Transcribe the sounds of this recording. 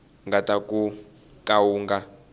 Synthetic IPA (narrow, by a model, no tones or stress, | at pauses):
ŋɡatakʼu | kawuːŋɡa